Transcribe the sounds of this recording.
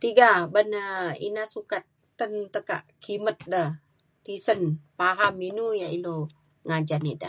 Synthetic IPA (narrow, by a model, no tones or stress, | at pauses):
t̪iɡabənəḭnasukat̪ːənt̪əka̰ʔkʰimət̪̚dəh | t̪isənpaɦaminujaino | ŋad͡ʒanidə̰